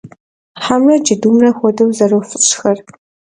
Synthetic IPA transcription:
ħamrɐd͡ʒɪduːmrɐxʷɔdɐwzɐrɐwfɨɕxɐr

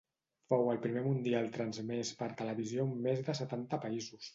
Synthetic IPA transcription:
fowəlˠpɾimemund̪ialˠt̪ɾənzmɛspəɾt̪ələβiziomezðəsət̪ant̪əpəizus

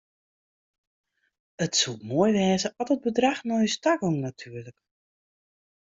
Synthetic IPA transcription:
ətsutmoːjʋɛːzəɔtəd̚bədraxnɔjəstaɡoŋnatʰyːərlək

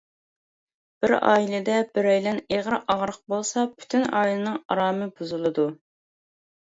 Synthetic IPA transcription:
b̥ɪɾɑ̰ːilˠɪd̪ɛbɪɾɛjlɛneʁɾɨʔɑʁɾəq̚bolˠsɑpʰy̥t̪ʰynɑːjilˠɨnɨŋɑ̰ɾɑːmɨbuzulˠɨd̪u

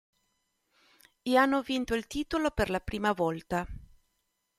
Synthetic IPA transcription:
eanːovint̪oilt̪iːt̪oloperlapɾiːmavɔlt̪a

